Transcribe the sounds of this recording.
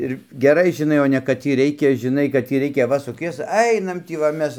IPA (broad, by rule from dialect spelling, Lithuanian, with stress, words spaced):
ɪr ɡʲɛˈrɐɪ ʒʲɪˈnɐɪ oː nʲɛ kɐt ˈtʲiː ˈrʲɛɪkʲɛ ʒʲɪˈnɐɪ kɐt tʲiː ˈrʲɛɪkʲɛ ʋɐ sʊˈkʲiɛs ˈɐɪnɐm ˈtʲiː ʋɐ ˈmʲɛs